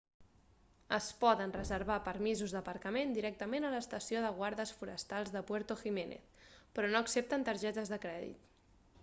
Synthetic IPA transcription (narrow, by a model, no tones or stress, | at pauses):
əspɔðənrəzəɾβapəɾmizuzðəpəɾkəmend̪iɾɛk̚t̪əmenələst̪əsioðəɣwaɾðəsfuɾə̰st̪alˠzðəpwɛɾt̪uximenḛθpɾɔnoəksep̚t̪ənt̪əɾʒɛt̪əzðəkɾɛðḭt̪